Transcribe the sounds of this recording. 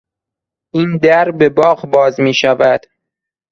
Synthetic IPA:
ʔiːnd̪æɾbe̞bɒːɣbɒːzmiːʃævæd̪̥

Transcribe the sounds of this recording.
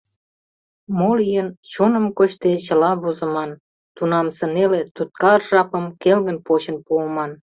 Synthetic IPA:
molijənt͡ɕonə̆mkoɕt̪et͡ɕəlɑβozə̆mɑn | t̪unɑmsə̆nelet̪ut̪̚kɑrʒɑpəmkelɣənpot͡ɕə̆npuəmɑn

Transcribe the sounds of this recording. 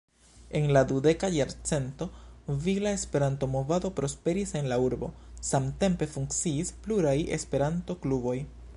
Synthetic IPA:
e̞nladude̞kajaɾt͡se̞nto̞vilae̞spe̞ɾanto̞mo̞vado̞pɾo̞spe̞ɾise̞nlauɾbo̞̰samte̞mpe̞fuŋkt͡siːspluɾaje̞̰spe̞ɾanto̞klubo̞j

